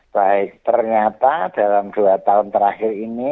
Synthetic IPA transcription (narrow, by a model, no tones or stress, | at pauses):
b̥aɪk̚t̪ərɲat̪ad̥alamd̪̥uat̪aʊnt̪əɾaxɪrini